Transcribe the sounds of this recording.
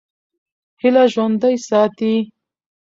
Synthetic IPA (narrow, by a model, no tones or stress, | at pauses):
hɪlaʒwand̪ajsɑːt̪i